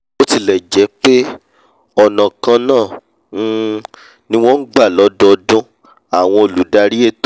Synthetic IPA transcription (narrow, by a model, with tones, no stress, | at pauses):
o˦ti˧˨lɛ˨d͡ʒɛ˨˦k͡pe˦ | ɔ˨nã˨kã˧nãː˦˨ | n̩˦ | nĩ˦w̃ɔ̃˦n̩˦ɡ͡ba˦˨lɔ˨˦dɔ˦˧dũ˦ | a˨w̃ɔ̃˧o˨lu˨˦da˧ɾi˦e˦t